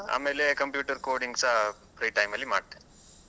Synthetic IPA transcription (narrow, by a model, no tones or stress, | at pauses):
a̰ːmeːlekɐmpjuːʈɐɾkoːɾɖiŋɡsɐ | pɾɐjʈɐjmɐlːimaːɽ̚t̪e